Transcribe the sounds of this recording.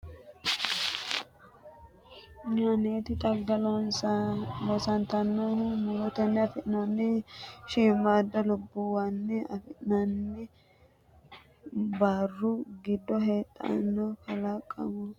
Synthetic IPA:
ɲaneːt̪ɪt̪ʼɐɡːɐlonsalɔsɐnt̪ɐnːɔmʊlɔt̪ɛnːɛɐfɪnɐnːɪʃiːmːad̪ːɐlʊbːʊwɐnːɪɐ̰fɪnɐnːɪ | baːrːʊɡɪd̪ːɔɦe̞ːt̪ʼːɐ̰nːɔkɐlɐkʼːɐ̰mɔ

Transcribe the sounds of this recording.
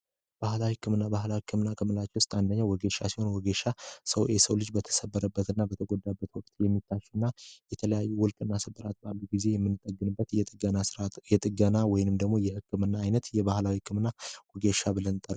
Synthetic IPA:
b̥ahlawihɨkʰːɨmɨnːabahlahɨkʰːɨmɨnːakʰəmɨlat͡ʃɛwʊst̪ʼand̪əɲːawɔɡeʃasiho̞nwɔɡeʃasəwʔesəwlɨd͡ʒbət̪ʰə̥səbːəɾəbːət̪ɨnːabət̪ʰəɡod̪ːabːət̪wɔkʼt̪ʼjɛmːit̪ʰːaʃɨnːajɛt̪ʰələjajːuwʊlkʼɨnːasəbːəɾat̪̚balːuɡize̞jɛmːɨnːɨt̪ʼəɡːɨnɨbːət̪jɛt̪ʼɨɡənajɛt̪ʼɨɡənawɔjɪnɨmd̪əɡmo̞jɛhɨkʰːɨmɨnːaːjnət̪jɛbahlawihɨkʰːɨmɨnːawɔɡeʃabɨlənt̪ʼəɾ

